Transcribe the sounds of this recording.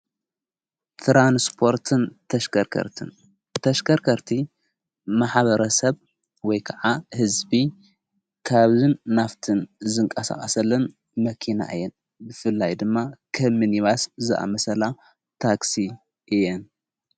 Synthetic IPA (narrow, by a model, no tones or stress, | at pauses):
t̪ʰɾanspʰo̞ɾt̪ʰɨnt̪ʰɐʃkɐkʰɐ̰ɾt̪ʰɨ̰n | t̪ʰɐʃkʰɐɾkʰɐɾt̪ʰi | maħβɐɾɐsɐβ | wɔjkʰɐʕahɨzbi | kʰaβzɨnːaft̪ʰɨnzɨŋkʼɐsa̰χʼɐsɐlːɐn | mɐkʰina̰ʔɨ̰jːɛn | bɨfɨlːajd̪ɨmːakʰɐmɨniβaszɨʔa̰mɐsɐla | t̪ʰaksi | ʔɨjɛn